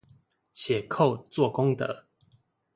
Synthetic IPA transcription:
ɕjɛ˨˩kʰo˥˨ʊt͡swɔ˥˨kɔ˦ŋt̪ə̰˨˦

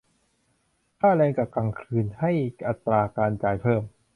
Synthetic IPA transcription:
k̪ʰaː˥˩lɛː˧ŋka˨˩ka˨˩ŋkʰɯː˧nha˥˩jʔa˨˩t̪ːɾaː˧kaː˧nt͡ɕaː˨˩jpʰɤː˥˩m

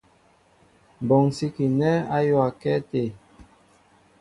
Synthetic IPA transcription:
bɔ˨ŋsi˦ki˨nɛ˦a˦jwa˨kɛ˦te˨

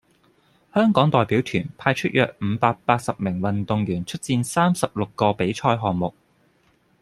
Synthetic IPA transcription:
hœː˥ŋkɔː˨˥ŋt̪ɔː˨jpiː˨˥wt̪ʰyː˨˩npʰaː˧jt͡ʃʰɵ˥t̚jœː˨k̚m̩˨˧paː˧k̚paː˧t̚sɐ˨p̚mɪ˨˩ŋwɐ˨nt̪ʊ˨ŋɥyː˨˩nt͡ʃʰɵ˥t̚t͡siː˧nsaː˥msɐ˨p̚lʊ˨kːɔː˧pe˨˥jt͡ʃʰɔː˧jɦɔː˨ŋmʊ˨k̚

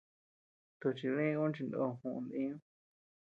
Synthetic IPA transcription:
t̪u˧t͡ʃi˧lĩ˦ũ˦t͡ʃi˧nd̪õ̰˧˨hũ˧ʔnd̪ĩ˦ũ˦

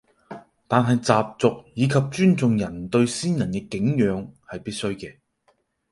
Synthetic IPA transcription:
t̪aː˨nɦɐ˨jt͡saː˨p̚t͡sʊ˨k̚jiː˨˧kʰɐ˨p̚t͡ʃyː˥nt͡sʊ˨ŋjɐ˨˩nt̪ɵ˧ɥsiː˥njɐ˨˩nkɛː˧kɪ˨˥ŋjœː˨˧ŋhɐ˨jpiː˥t̚sɵ˥ɥkɛː˧

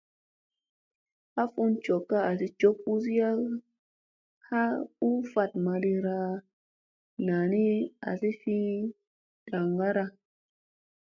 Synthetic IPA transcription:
a˦fu˦nt͡ʃo˨kːa˦a˨si˧t͡ʃo˦k̚u˦s̬i˦ja˦ | ha˦u˦va˧˨tma˧ɾi˧ɾa˧ | na˨ni˦a̰˨si˦fi˦ | d̥a˨ŋɡa˦ɾa˧

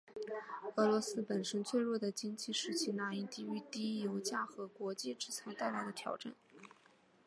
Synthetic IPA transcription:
ɤ˧˥lwɔ˧˥sɹ̩˥pə˨˩nʂə˥nt͡ɕʰɥɛ˥˧ɻwɔ˥˩d̪ə˩t͡ɕi˥ŋt͡ɕi˥˩ʂɻ̩˧˥t͡ɕʰi˧˥na˧˥i˥˩t̪i˥˩y˥˩t̪i˥jo˧˥ʊt͡ɕja˥˩xɤ˧˥kwɔ˧˥t͡ɕi˥˧ʈ͡ʂɻ̩˥˩t͡sʰa˧˥ɪt̪a˥˩ɪla˧˥ɪd̪ə˧t̪ʰjɑ˧˥ʊʈ͡ʂa̰˥˩n

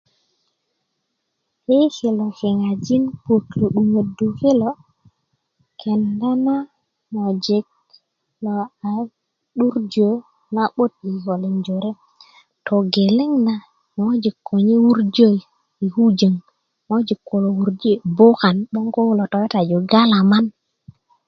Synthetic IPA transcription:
he˦ki˨lo˨ki˨ŋa˨d͡ʒi˦npo˨klo˨ɗu˨ŋe˨du˨ki˦lo˦ | kʰe˨nda˦na˦ | mo˨d͡ʒi˨k̚ | lo˨a˨ | ɗu˦ɾd͡ʒo˨˦ | na˦ɓo˦t̪̚i˨ho˨li˨nd͡ʒo˨ɾe˦ | to˨ɡe˨le˦ŋna˨ | ŋo˦d͡ʒi˨kʰːo˨ɲe˦wu˦ɾd͡ʒo˦˨ji˨ | i˨hu˦d͡ʒə˨ŋ | ŋo˦d͡ʒi˨kːo˨lo˨wu˨ɾd͡ʒe˦bo˦ka˨nɓo˦ŋko˦wlo˨to˨we˦ta˨d͡ʒo˨ɡa˦la˨ma˦n

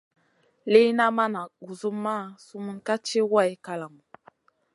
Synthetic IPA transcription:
le˦jna˦ma˦na˨ɡu˨zu˦mːa˦˨su˦mə˦nka˦t͡ʃe˦wa˦˨i˦ka˦la˨mu˨

